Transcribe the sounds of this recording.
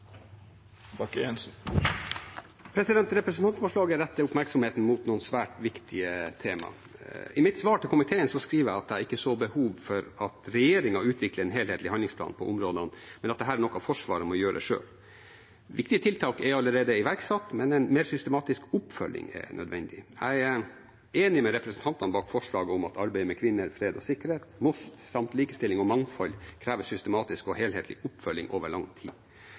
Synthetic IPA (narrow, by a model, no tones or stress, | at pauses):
bɑkens | pʰɾɛsɪd̪ɛnt̪ɾɛpɾɛsənt̪ʰɑnt̪fɔʂɭɑːɡəɾɛt̪ːəʊpmæɾksɔmheːt̪n̩muːt̪nuːnsʋæːʈʋɪkt̪ʰɪət̪ʰeːmɑ̰ | ɪmɪt̪sʋɑːʈʰɪlkʊmɪt̪ʰeːənsɔskɾiːʋəjæɑt̪̚d̪ɛæɾɪkːəsoːbəhuːʋfɔɾɑt̪ɾɛjeːɾɪŋɑʉːt̪ʰʋɪkləɾɛnɦeːleːt̪lɪhɑnlɪŋsplɑ̰ːnpʰɔ̰ʔʊmɾoːd̪ənmɛnɑt̪̚d̪ɛɦæːɾæɳɔkːɑfɔʂʋɑ̰ːɾəmɔjøːɾəd̪ɛ̰ʂø̰ːl | ʋɪkt̪ɪət̪ʰɪlt̪ʰɑːkɛɑlːəɾeːd̪əɪʋæɾksɑt̪ːmɛnɛnmeːɾsʏst̪əmɑːt̪ɪskʊpfœlːɪ̰ŋɛ̰nœ̰d̪ʋɛnd̪ɪ̰æ̰ɪæ | eːnɪmɛɾɛpɾɛsən̩t̪ʰɑnt̪ɑnbɑːkfɔʂɭɑːɡəʊmɑt̪ɑɾbæɪəmɛkʰʋɪnːəɾfɾeːd̪ɔsɪkəɾheːt̪mʊst̪sɑmt̪liːkəst̪ɪlːɪŋɔmɑŋfɑlːkʰɾæːʋəsʏst̪əmɑːt̪ɪskɔheːlheːt̪lɪ̰ʔʊpːfœlːɪ̰ŋʔo̰ːʋəɭɑŋːt̪ʰḭː